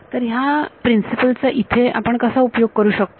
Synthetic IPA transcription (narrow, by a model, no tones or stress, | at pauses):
t̪əɾɦjapɾinsipəlt͡saʔit̪ʰea̰pəɳkəsaupjoɡ̚kəɾuːɕək̚t̪